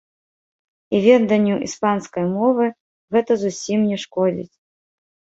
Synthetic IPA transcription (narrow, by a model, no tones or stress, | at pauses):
ivʲɛd̪ɐnʲːuʔḭspanskɐjmɔvɨ | ɣɛt̪ɐzusʲimnʲɛʂkɔd͡zʲḭt͡sʲ